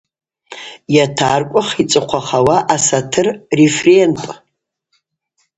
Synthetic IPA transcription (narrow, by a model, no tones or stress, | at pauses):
jatʰarkʷʼaχit͡sʼɨqʷʰaχawaʔasatʰɨrrefrentʼ